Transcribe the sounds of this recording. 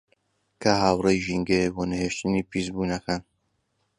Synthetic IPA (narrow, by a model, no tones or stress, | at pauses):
kʰaɦaːwrejʒiŋɡeboːnɨheːʃt̪ɨniːpizbuːnɐkan